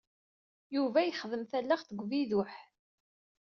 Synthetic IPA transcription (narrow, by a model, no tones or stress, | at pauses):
juvæjχəðəmθælːæʁθəɡʷviðʊħ